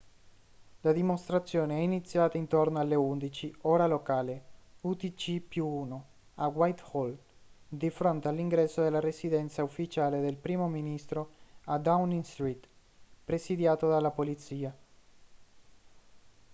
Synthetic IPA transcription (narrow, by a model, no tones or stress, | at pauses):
lad̪imost̪ɾat̪sːjoːneɛinit̪sːjaːt̪aint̪ornoalːeund̪it͡ʃioːɾalokaːleut̪it͡ʃipjuuno | awajt̪hold̪ifɾont̪ealiŋɡɾɛsːod̪elːaɾesid̪ɛnt̪saufːit͡ʃaːled̪elpɾiːmominist̪ɾoad̪awniŋst̪ɾit̪ | pɾesid̪jaːt̪od̪alːapolit̪siːa